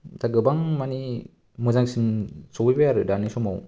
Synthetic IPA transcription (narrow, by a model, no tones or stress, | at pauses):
taɡɯbaŋmani | mɯzaŋsinsɔwibeaɾɯdanisɔmaw